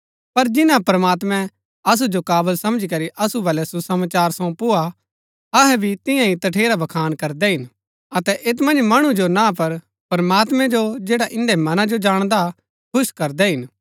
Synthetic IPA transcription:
pɐɾd͡ʒɪnãpɾɐmaːt̪mɛ̃ | ɐs̬ud͡ʒokaːbəlsɐ̃md͡ʒikɐɾiʔɐsubɐlɛsusɐmaːt͡ʃaːɾsɐ̃pʊa | ɐɦɛbʱit̪ɪ̃jãɦit̪ɐʈʰeːɾabʱɐkʰaːnkɐɾd̪ɛɦɪn | ɐt̪ɛʔet̪̬mɐ̃nd͡ʒmɐɽ̃ũd͡ʒonãp̬ɐɾ | pɾɐmaːt̪mɛ̃d͡ʒod͡ʒeːɽaʔɪ̃nɖɛmɐnãd͡ʒod͡ʒaːɽ̃d̪a | kʰʊʃkɐɾd̪ɛɦɪn

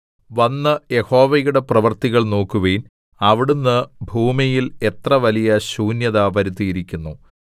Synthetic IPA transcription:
ʋɐnːɨje̞ho̞ːʋɐjuɽe̞prɐʋɐrt̪iɣɐɭno̞ːkːuʋeːn | ɐʋiɽunːɨbʱuːmijile̞t̪rɐʋɐlijɐɕuːnjɐðaːbɐɾit̪ːijiɾikʲːunːu

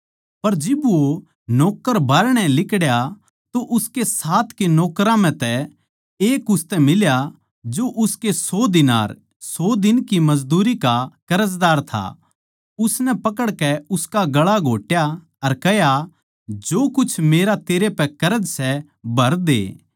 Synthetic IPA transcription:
pɐɾd͡ʒɪbʋo | nɔːkəɾbʱaːɾɽ̃ɛlɪkɽja | t̪oʔʊskesaːt̪ʰkenɔːkɾãm̤ɛ̃t̪ɛ | eːkʊst̪ɛmɪlja | d͡ʒoʔʊskesɔːd̪ɪna̰ːɾ | sɔːd̪ɪnkimɐd͡ʒd̪uːɾikakɐɾəzd̪aːɾt̪ʰa̰ | ʊsnɛpɐkəɽkɛʊskaɡɐɭaɡʱoːʈja | ɐɾkɛɦja | d͡ʒoːkʊt͡ʃʰmeːɾat̪eːɾepɛkɐɾəd͡ʒsɛ | bʱɐɾd̪ḛː

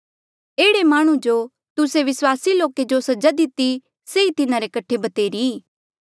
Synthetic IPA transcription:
eːɽemaːɽ̃ũd͡ʒo | t̪ʊseʋɪswaːsiloːked͡ʒosɐd͡ʒad̪ɪt̪i | seit̪ɪnãɾekɐʈʰebɐt̪eːɾiː

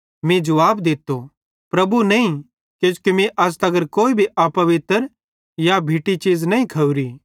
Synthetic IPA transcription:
mĩd͡ʒɐʋaːbd̪ɪt̪ːo | pɾɐbunɐĩ | kjõt͡ʃkimiʔɐs̬t̪ɐɡəɾkoːibʱiʔapɐʋɪt̪əɾ | jabʱiːʈit͡ʃiːd͡ʒnɐːĩkʰɐuɾi

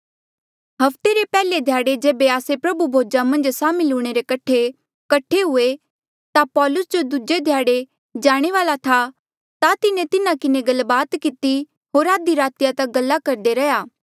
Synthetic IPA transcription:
ɦɐft̪eɾepɛːled̪ʱjaːɽed͡ʒeːbeaːsepɾɐbubʱoːd͡ʒamɐ̃nd͡ʒsaːmɪlʊːɽ̃eɾekɐʈʰːe | kɐʈʰeɦʊe | t̪apɔːlʊsd͡ʒod̪ud͡ʒed̪ʱjaːɽe | d͡ʒaːɽ̃eʋaːlat̪ʰa | t̪at̪ɪnẽt̪ɪnãkɪneɡɐlbaːt̪kɪt̪i | ɦoːɾaːd̪iɾaːt̪ɪjat̪ɐɡɐlːakɐɾd̪eɾɐjaː

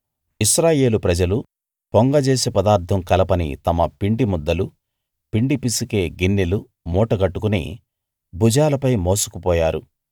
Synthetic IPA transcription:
iʃɾaːje̞ːlupɾɐd͡ʒɐlu | poŋɡɐd͡ʒeːsepɐd̪aːɾt̪ʰɐmkɐlɐpɐnḭt̪ɐmɐpiɳɖimud̪ːɐlu | piɳɖipisike̞ːɡinːilu | mɔːʈɐɡɐʈːukunḭː | bud͡ʒaːlɐpɐjmo̞ːsu̥kupɔːjaːɾu

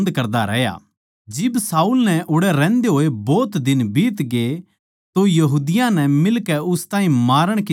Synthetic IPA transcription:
nd̪kɐɾd̪aɾɛ̰ːɦja̰ | d͡ʒɪbsaːuːlnɛʔʊɽɛɾɛ̃ːnd̪eɦoːebɔːt̪d̪ɪnbiːt̪ɡe | t̪ojɐɦuːd̪ɪjãnɛmɪlkɛʊst̪ãːɦĩmaːɾəɽ̃ki

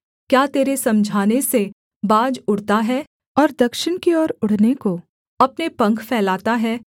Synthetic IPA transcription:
kjaːt̪eːɾesɐ̃md͡ʒʱaːnese | baːd͡ʒʊɽ̤t̪aɦɛː | ɔːɾd̪ɐkʃɪñkiɔːɾʊɽ̤neko | ɐpnepɐ̃ŋkʰfʰɛːlaːt̪aɦɛː

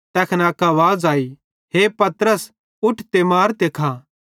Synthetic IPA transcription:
t̪ɛːkʰnɛɐkaːʋaːd͡zaːi | ɦepɐt̪ɾəs | ʊʈʰt̪emaːɾt̪eːkʰaː

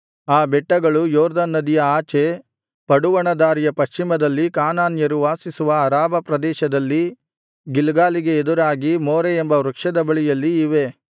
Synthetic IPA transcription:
aːbɛʈːɐɡɐɭujɔːɾd̪ɐnːɐd̪ijɐaːt͡ʃe | pɐɽuʋɐɳɐd̪aːɾijɐpɐʃt͡ʃimɐd̪ɐlːikaːnaːnjɐɾuʋaːsisuʋɐːɾaːbʱɐpɾɐd̪ɛːʃɐd̪ɐlːi | ɡilɡaːliɡe̞ːd̪uɾaːɡimoːɾeembɐɾɐkʂɐd̪ɐbɐɭijɐlːiːʋe̞

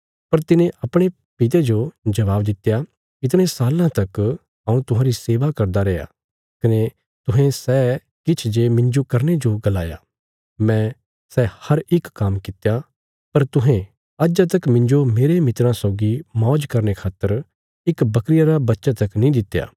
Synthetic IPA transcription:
pɐɾt̪ɪnẽʔɐpɽ̃e | pɪt̪̬ed͡ʒod͡ʒɐʋaːbd̪ɪt̪ːja | ɪt̪ɽ̃ẽsaːlãt̪ɐk | ãːũt̪ʊɦãːɾiseːʋakɐɾd̪aɾɛːja̰ | kɐne | t̪ʊɦẽsɛː | kɪt͡ʃʰd͡ʒemɪ̃ɲd͡ʒokɐɾned͡ʒoɡɐlaːja̰ | mɛ̃ | sɛhɐɾɪkːaːmkɪt̪ja | pɐɾt̪ʊɦẽ | ad͡ʒat̪̬ɐkmɪ̃ɲd͡ʒomeːɾemɪt̪ɾãsɔːɡimɔ̃ːd͡ʒkɐɾnekʰaːt̪ːəɾ | ɪkbɐkɾɪjaɾabɐtːʃat̪ɐknĩd̪ɪt̪ːja̰ː

